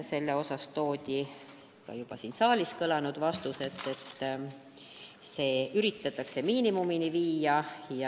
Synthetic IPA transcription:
se̞lːe̞o̞sɑst̪o̞ːd̪̥ʲi | kɑ̰jub̥ɑsiːnsɑːliskɤlɑnud̪̥vɑst̪use̞t̪ːˑe̞t̪ːˑ | se̞ːyɾit̪ːˑɑt̪ːˑɑkse̞miːnimuminiviːjɑjɑ

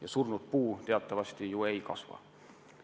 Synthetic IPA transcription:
jɑsurnud̪̚puːt̪eɑt̪ːˑɑvɑst̪ijuejkɑ̰svɑ̰

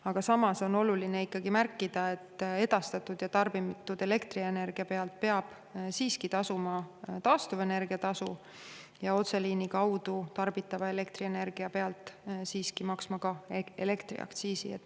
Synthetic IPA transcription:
ɑɡ̥ɑsɑmɑso̞no̞lulineikːɑɡimærkːˑid̪̥ɑe̞t̪ːe̞d̪̥ɑst̪ɑt̪ːˑud̪̥jɑt̪ɑrb̥imt̪ːˑud̪̥e̞le̞kt̪riene̞rɡ̥iɑpe̞ɑlt̪̚pe̞ɑb̥ | siːskit̪ɑsumɑt̪ɑːst̪uve̞ne̞rɡ̥iɑt̪ɑsu | jɑo̞t̪seliːnikɑwd̪̥ut̪ɑrb̥it̪ːˑɑvɑe̞le̞kt̪riene̞rɡ̥iɑpe̞ɑlt̪ˑsiːskimɑksmɑkɑḛle̞kt̪rḭɑ̰kt̪siːsḭet̪ː

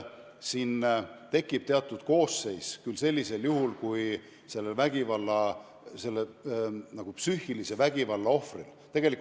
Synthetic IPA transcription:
siːnt̪e̞kːˑib̥̚t̪eɑt̪ˑːud̪̥ko̞ːsːe̞jskylse̞lʲːise̞ljuhulkuj | se̞lːelvæɡ̥ivɑlːɑ | se̞lːenɑɡ̥upsyːhilise̞væɡ̥ivɑlːɑo̞frḭlt̪e̞ɡ̥elik

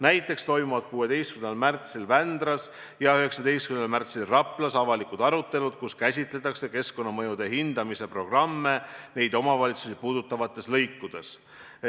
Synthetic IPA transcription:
næjt̪ˑːe̞kst̪o̞jmuvɑd̪̥̚kuːe̞d̪e̞jst̪̚kymnelmært̪silvænd̪ɾɑs | jɑyɦe̞ksɑd̪e̞jst̪kynelmært̪silrɑpˑlɑsɑvɑlikud̪̥ɑɾut̪ːe̞lud̪̥kuskæsʲit̪le̞t̪ːˑɑkse̞ke̞sko̞nːɑmɤjud̪̥e̞ɦind̪̥ɑmise̞pro̞ɡ̥rɑmːe̞ne̞jd̪̥o̞mɑvɑlʲit̪susipuːd̪ut̪ːˑɑvɑt̪ˑːe̞slɤjkːud̪̥e̞s

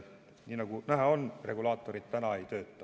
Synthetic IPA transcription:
ninɑkunæɦæonreɡulɑːt̪ːorit̪t̪ænɑeit̪øːt̪ːæ

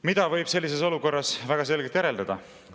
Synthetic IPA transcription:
mid̪ɑvɤjb̥se̞lʲːise̞so̞luko̞rːɑsvæɡ̥ɑs̬e̞lɡ̥et̪jæɾe̞ld̪ɑd̪̥ɑ

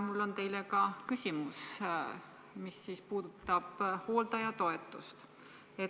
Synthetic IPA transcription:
mulːo̞nt̪e̞jlekɑkysʲimus | misːiːspuːd̪̥ut̪ːˑɑb̥ho̞ːld̪̥ɑjɑt̪o̞e̞t̪ːˑust̪ | e

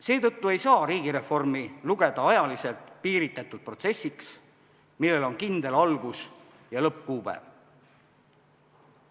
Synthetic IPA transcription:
se̞ːt̪ɤt̪ːue̞jsɑːɾiːɡiɾe̞fo̞rmiluɡ̥e̞d̪̥ɑɑjɑlise̞lt̪ˑpiːɾit̪ːˑɑt̪ːˑud̪̥̚pro̞t̪se̞sʲːiks | milːe̞lo̞nkind̪e̞lɑlɡ̥us | jɑlɤp̚kuːb̥ḛ

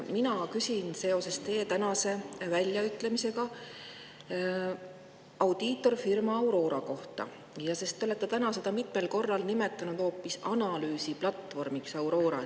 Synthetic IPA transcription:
minɑkysʲinse̞o̞se̞st̪e̞ːt̪ænɑse̞vælʲjɑyt̪ːˑle̞mise̞ɡɑ | ɑwd̪̥iːt̪ːˑo̞rfirmɑːwɾo̞ːɾɑko̞ht̪ɑ̰ | jɑse̞st̪ːˑo̞le̞t̪ːet̪ænɑse̞d̪̥ɑmit̪ˑme̞lko̞rːɑlnime̞t̪ˑːɑnud̪̥ho̞ːpːisɑnɑlyːsiplɑt̪ːvo̞rmiksɑwɾo̞ːɾɑ̰

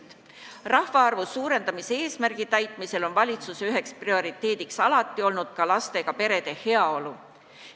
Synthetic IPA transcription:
rɑhvɑɑrvusuːɾe̞nd̪ɑmisee̞ːsmærɡ̥it̪æjt̪ˑmise̞lo̞nvɑlʲit̪suseyɦe̞ksprio̞ɾit̪ːe̞ːd̪̥iksɑlɑt̪ːˑio̞lnud̪̥kɑlɑst̪e̞ɡ̥ɑpe̞ɾe̞d̪̥e̞he̞ɑo̞lu

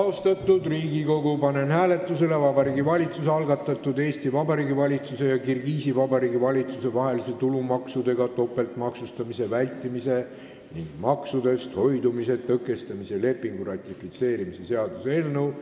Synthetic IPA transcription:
ɑost̪ɑt̪ːˑud̪riːɡiko̞ɡupɑne̞nhæːle̞t̪ːˑuse̞le̞vɑbɑɾiːɡivɑlʲit̪suseɑlɡɑt̪ːˑɑt̪ːˑud̪e̞ːst̪ivɑbɑɾiːɡivɑlʲit̪suse̞jɑkirɡiːsivɑbɑɾiːɡivɑlʲit̪suse̞vɑɦe̞lise̞t̪ulumɑksud̪̥e̞ɡɑt̪o̞pːˑe̞lt̪mɑksust̪ɑmise̞vælʲt̪ːˑimise̞ | niŋɡ̥mɑksud̪e̞st̪ho̞jd̪umise̞t̪ːɤkːˑe̞st̪ɑmise̞le̞pːˑiŋɡ̥urɑt̪ʲːˑifit̪se̞ːɾimise̞se̞ɑd̪̥useelnew

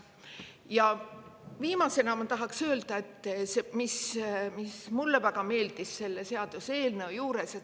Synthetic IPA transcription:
jɑ | viːmɑse̞nɑmɑt̪ɑɦɑksø̞ːld̪̥ɑe̞t̪ˑːsemismismulːevæɡ̥ɑme̞ːld̪̥isːe̞lːese̞ɑd̪̥use̞ːlne̞ojuːɾe̞set̪

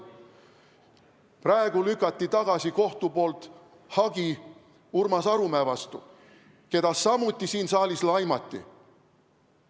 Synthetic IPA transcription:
prɑeɡ̥ulykːˑɑt̪ˑːit̪ɑɡ̥ɑsiko̞ht̪upo̞ːlt̪ | hɑɡi | urmɑsɑɾumæːvɑst̪ṵ | ke̞d̪̥ɑsːɑmut̪ːˑisiːnsɑːlʲislɑjmɑt̪ːˑḭ

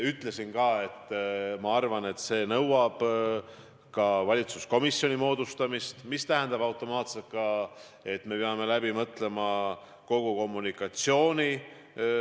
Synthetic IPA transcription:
yt̪ˑle̞sinkɑːe̞t̪ːˑmɑɑrvɑne̞t̪se̞ːnɤwɑb̥ | kɑvɑlʲit̪susko̞misːjo̞nʲimo̞ːd̪ust̪ɑmist̪mist̪æɦɛnd̪ɑb̥ɑwt̪ˑo̞mɑːt̪se̞lt̪̚kɑ | e̞t̪ːme̞peɑme̞læbimɤt̪ˑle̞mɑ | ko̞ɡ̥uko̞mːunikːˑɑt̪sio̞ːnʲi

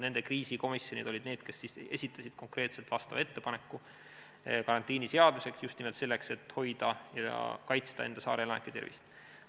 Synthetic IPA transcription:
ne̞nd̪e̞kriːsiko̞misjo̞nḭd̪̥o̞lʲid̪neːd̪̥ke̞sːise̞̰sʲit̪ːˑɑsid̪̥ko̞ŋkre̞ːt̪selt̪vɑst̪ɑvɑe̞t̪ːe̞pɑne̞kːu | kɑɾɑnt̪ːˑiːnise̞ɑd̪̥mise̞ksjust̪nimelt̪se̞lːekse̞t̪ho̞jd̪̥ɑjɑ̰kɑjt̪st̪ɑe̞̰nd̪ɑsɑ̰ːɾelɑnḛkːˑet̪e̞rvḭst̪

